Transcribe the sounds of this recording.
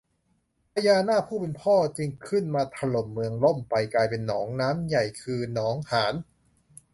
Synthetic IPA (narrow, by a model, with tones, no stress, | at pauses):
pʰa˧jaː˧naː˥˩pʰuː˥˩pe˧npʰɔː˥˩t͡ɕi˧ŋkʰɯ˥˩nmaː˧t̪ʰa˧lo˨˩mːɯ˧əŋlo˥˩mpa˧jklaː˧jpe˧nːɔː˩˦ŋnaː˦˥mja˨˩jkʰɯː˧nɔː˩˦ŋhaː˩˦n